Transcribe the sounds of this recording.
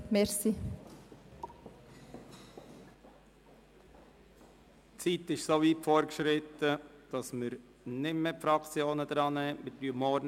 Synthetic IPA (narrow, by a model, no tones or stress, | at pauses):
mɛɾsi | t͡siːt̪ɪʃsoːviːtfɔːɾkʃɾɪt̪əd̥ɑsməɾ | nɪmepfɾɑkt͡sjoːnəd̪ɾɑːnɛmɪɾdyəmɔːɾn